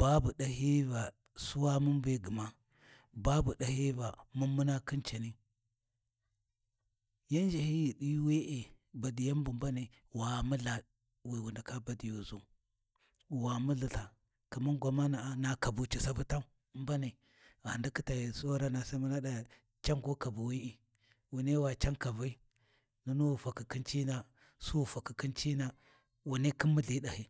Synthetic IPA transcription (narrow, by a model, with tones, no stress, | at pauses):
b̥a˦bu˨ɗa˨ɦi˦va˨ | su˦wa˦mu˦mbe˦ɡi˨ma˦ | ba˦bu˨ɗa˨hi˦va˨mu˦mu˦na˦ki˦nt͡ʃa˨ni˦ | ja˦n˦d͡ʒe˨hi˦ji˨ɗi˦we˦ʔe˨ | ba˨di˨ja˦m˦bu˨mba˦ne˨ | wa˨mu˦la˨ | wi˨wu˨nda˨ka˦ba˨di˨jo˨zu˦ | wa˨mu˦ɮi˨ɬa˨ | ka˨ma˦ŋɡʷa˨ma˦na˨a˨˦na˨ka˨bu˨t͡ʃi˨sa˦bu˦ta˦mba˦ni˨ | ɣa˨nda˦ki˦ta˨jso˦ɾa˦na˨sa˦mu˦na˦da˨ | t͡ʃa˦ŋɡo˦ka˨bu˨wi˦i˨ | wu˨ne˦wa˨t͡ʃa˦ka˨va˦i˦ | nu˦nu˦˨fa˨ki˨ki˦nt͡ʃi˦na˨ | su˦˨fa˨ki˨ki˦nt͡ʃi˦na˨ | wu˨ne˦ki˦mːu˦ɮi˦ɗa˨hi˦